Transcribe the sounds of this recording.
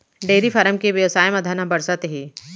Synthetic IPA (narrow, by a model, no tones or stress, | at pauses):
ɖeːɾifʰɐɾəmkeʋjɐʋsaːjmɐd̪ʱanãbɐɽsət̪ɦiː